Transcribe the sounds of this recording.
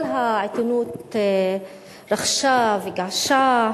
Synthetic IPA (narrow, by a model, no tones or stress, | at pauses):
lɦaʕet̪unut̪ | ɾaχʃaveɡaʕʃa